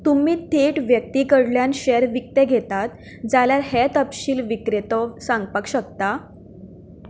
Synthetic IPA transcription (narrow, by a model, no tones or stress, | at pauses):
t̪umiːt̪ʰeʈʋjək̚t̪ikəɽljanɕɛɾʋik̚t̪eɡʱet̪at̪ | d͡zaljaɾɦɛt̪əpɕiːlʋikɾet̪ɔsãŋɡ̚pəkɕək̚t̪a